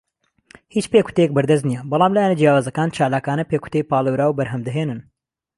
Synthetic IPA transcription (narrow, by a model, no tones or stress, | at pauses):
hiːt͡ʃpekʰu̥t̪ejek̚bɐɾd̪ɐzt̪nijɛbɑlˠɑːmlaːjaːnɐd͡ʒijaːwaːzɐkaːnt͡ʃʰaːlaːkaːnɐpeːkʰu̥t̪ejpaːlˠɐwɾaːwbɐɾɦɐmd̪ɐɦeːnɨn